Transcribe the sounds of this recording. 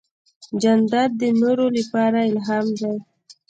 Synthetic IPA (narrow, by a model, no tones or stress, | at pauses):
d͡ʒand̪ad̪̚d̪ənoɾolapɑɾaɪlɦɑmd̪aj